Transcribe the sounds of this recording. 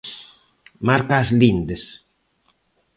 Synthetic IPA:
maɾkaːzlind̪es

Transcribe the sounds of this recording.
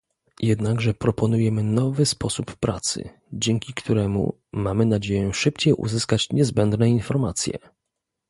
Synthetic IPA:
jɛd̪naɡʐɛpɾɔpɔnujɛmɘnɔvɘspɔsupːɾat̪sɘ̰ | d͡ʑɛŋkʲikt̪uɾɛmṵ | mamɘnad͡ʑejɛ̃ʂɘpt͡ɕejʔṵzɘskat͡ɕɲɛzbɛnd̪nɛinfɔɾmat̪sʲjɛ̰

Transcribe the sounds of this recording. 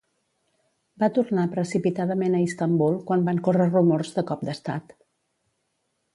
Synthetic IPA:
bat̪urnapɾəsipit̪aðəmenəist̪əmbulˠkwambaŋkorərumorzðəkɔp̚d̪əst̪a̰t̪

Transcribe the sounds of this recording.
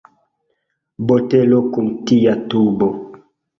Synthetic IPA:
botelokumtijatubo

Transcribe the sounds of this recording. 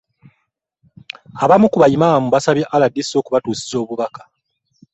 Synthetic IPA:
aβamukuβajimamuβasaβjiʔaladːisːo̞ːkuβatuːsi̥zo̞ːβuβakḁ

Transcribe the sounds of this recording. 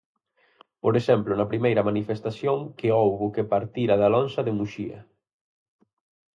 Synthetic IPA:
poɾeʃɛmplʊnɐpɾimejɾɐmanifest̪asjoŋkeowβʊkepaɾt̪iɾɐðalɔnsɐðemuʃiɐ̰

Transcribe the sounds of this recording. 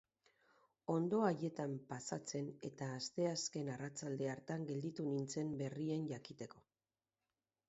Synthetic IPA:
o̞nd̪oaje̞t̪ampasat͡se̞ne̞t̪aːst̪e̞aske̞narat͡sald̪e̞aɾt̪aŋɡe̞ld̪it̪unint͡se̞mbe̞rie̞nʝakit̪e̞ko̞

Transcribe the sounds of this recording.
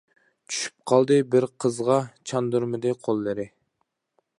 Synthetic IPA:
t͡ʃʰy̥ʃy̥p̚qʰɑlˠd̪ɨbɪɾqʰəzʁɑt͡ʃʰɑnd̪uɾmɨd̪ɪqʰolˠːɨɾɪ

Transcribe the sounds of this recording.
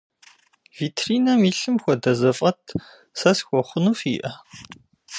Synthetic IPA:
v̥iːtʰriːnɐmiːɬɨmxʷɔdɐzɐfʼɐtʰ | sɐsxʷɔχʷʊnuːfḭʔɐ

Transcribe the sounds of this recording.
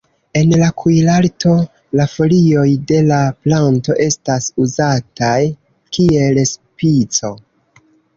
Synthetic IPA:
e̞nlakʰujlalto̞ | lafo̞lio̞jde̞laplanto̞ʔe̞stasuzataj | kie̞lspit͡so̞

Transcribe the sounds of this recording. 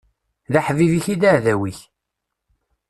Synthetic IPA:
ðaħviviçid̪aʕðæwiç

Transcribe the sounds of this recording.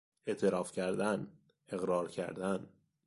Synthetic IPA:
e̞ʔt̪ʰeɾɒːfcʰæɾd̪æn | e̞ɣɾɒːɾcʰæ̰ɾd̪æn

